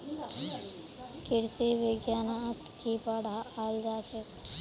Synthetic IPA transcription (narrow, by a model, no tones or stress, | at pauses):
kɪɾseʋeɡjaːnat̪kipaɽaːaːld͡ʒaːt͡ʃʰek